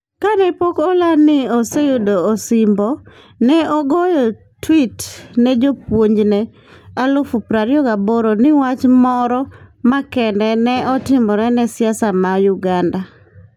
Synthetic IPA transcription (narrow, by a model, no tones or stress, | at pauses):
kanɛpokɔlanɪosejodoːsɪmbɔ | nɛɔɡɔjɔ | twitnɛd͡ʒopwoɲd͡ʒnɛ | alofupɾaɾjɔkaboɾonɪwat͡ʃmɔɾɔmakɛndɛnɛɔtɪmɔɾɛnɛsjasamajʊɡanda